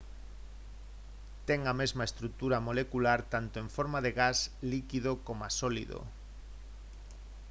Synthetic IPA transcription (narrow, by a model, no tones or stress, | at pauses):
t̪eŋamezmaest̪ɾuk̚t̪uɾamolekulaɾt̪ant̪oeɱfoɾmaðeɣaslikiðokomasolḭðo̰